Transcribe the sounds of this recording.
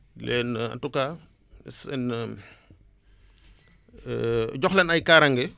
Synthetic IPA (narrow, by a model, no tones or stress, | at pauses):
lɛːna̰tuka | sɛn | ɟɔxlɐnɐjkaɾɐŋɡɛ